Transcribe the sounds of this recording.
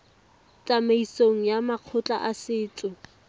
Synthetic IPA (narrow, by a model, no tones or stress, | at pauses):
t͡sʼameisoŋ̩jamaq͡χʰʊt͡ɬʼaʔasɪːt͡sʼʊ